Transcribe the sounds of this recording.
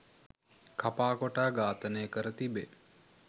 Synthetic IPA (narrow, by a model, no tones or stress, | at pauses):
kʰapaːkoʈaːɡaːt̪ənejəkəɾət̪ibe